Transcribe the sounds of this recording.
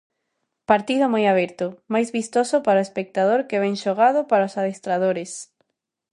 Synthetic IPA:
paɾt̪iðʊmojaβ̞ɛɾt̪ʊmajzβist̪osʊpaɾaoespek̚t̪aðoɾkeβɛŋʃoɣaðʊpaɾaosaðest̪ɾaðoɾes

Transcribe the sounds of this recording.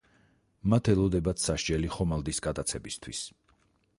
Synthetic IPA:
mat̪ʰɛlˠɔd̪ɛbat̪ʰsaʃd͡ʒɛliχɔmalˠd̪isɡad̪at̪sʰɛbist̪ʰwḭs

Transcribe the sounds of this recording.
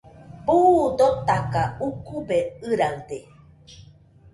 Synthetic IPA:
bud̪ot̪akaukubeɨɾaɰd̪e

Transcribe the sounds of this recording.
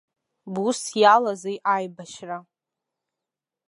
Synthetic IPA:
busjalazejʔajbaʃra

